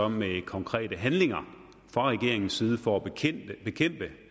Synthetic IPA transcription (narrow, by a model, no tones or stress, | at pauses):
ɒ̽mmekʰɒ̽ŋkʰʁɛ̰ːɾəɦænle̝ŋɐ | fʁɑ̈ʁɛɡ̥e̝ɐe̝ŋn̩sːiːð̞ˠəfɒæb̥e̝kʰem̰b̥ə